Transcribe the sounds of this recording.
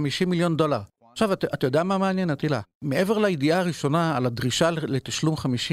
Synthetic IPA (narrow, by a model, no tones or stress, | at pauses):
miʃimiljo̞ndo̞laʁ | χʃavatatajodeamameanjenat̪ilameʔe̞ve̞ʁlajidiaːʁiʃo̞naːladʁiʃalet̪aʃlumχamiʃi